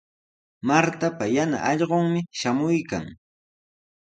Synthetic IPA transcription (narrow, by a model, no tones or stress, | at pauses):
maɾt̪apajana̰ʔɑʎɢoŋmɪʃamʊjka̰ŋ